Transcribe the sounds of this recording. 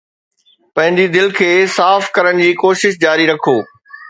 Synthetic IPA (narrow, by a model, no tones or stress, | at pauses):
pɐ̃ɦɪ̃ɲ̆dd͡ʑid̪ɪlkʰeːsaːfkɐɾəɽ̃̆d͡ʑiːkoːʃɪʃd͡ʑaːɾiɾɐkʰoː